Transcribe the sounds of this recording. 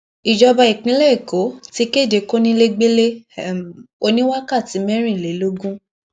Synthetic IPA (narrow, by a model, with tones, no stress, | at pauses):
i˨d͡ʒɔ˧ba˧i˨kĩ˨˦lɛ˦i˨ko˨˦ti˧˦ke˦˨de˧ko˦nĩ˦le˦ɡ͡be˦le˦˨ | o˧nĩ˦wa˦ka˦˨ti˨˦mɛ˦ɾ̃ĩ˦˨le˨˦lo˦ɡũ˦